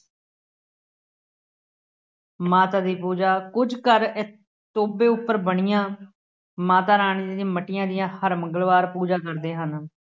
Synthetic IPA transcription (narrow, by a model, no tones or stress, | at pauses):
maːt̪aːd̪iːpuːd͡ʒaːkʊd͡ʒkəɾɪ | t̪oːbeːʊpːəɾbəɳ̃ɪjãː | maːt̪aːɾaːɳ̃iːd̪ĩːməʈːɪjãːd̪ɪjãːhəɾməŋɡəlʋaːɾpuːd͡ʒaːkəɾd̪eːɦən